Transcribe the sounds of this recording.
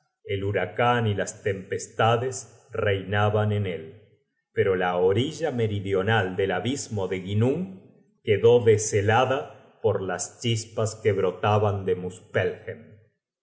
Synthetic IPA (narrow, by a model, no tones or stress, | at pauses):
e̞luɾakanilast̪e̞mpest̪aðes | rejnaβanenel | peɾo̞laoɾiʒame̞ɾiðjo̞nald̪e̞laβizmo̞ðe̞ɣinuŋ | keðo̞ðeselaða | poɾlast͡ʃispaskeβɾo̞t̪aβand̪emuspelxem